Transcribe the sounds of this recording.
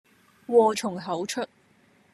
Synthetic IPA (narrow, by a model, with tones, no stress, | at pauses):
wɔː˧t͡ʃʰʊ˨˩ŋɦɐ˨˥wt͡ʃʰɵ˥t̚